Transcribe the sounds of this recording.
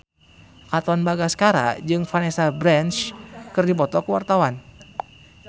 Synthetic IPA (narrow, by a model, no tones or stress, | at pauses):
kat̪ɔnbaɡasə̥kaɾa̰d͡ʒɨŋfanɛsabɾɛnt͡ʃkɨrdipɔt̪ɔkuwa̰rt̪awan